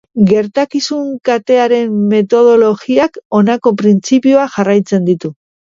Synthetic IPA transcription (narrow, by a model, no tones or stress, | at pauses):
ɡe̞ɾt̪akisuŋkat̪e̞aɾe̞mːe̞t̪o̞ð̞o̞lo̞ɣiako̞nako̞pɾint͡sipioaʝarajt͡se̞nd̪it̪u